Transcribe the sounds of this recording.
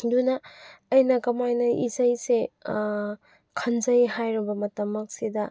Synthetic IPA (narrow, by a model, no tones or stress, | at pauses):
dunɐːjnɐkɐmajnɐʔḭzɐjse | kʰɐnzɐjhajɾɐbɐmɐtɐmːɐk̚sidɐ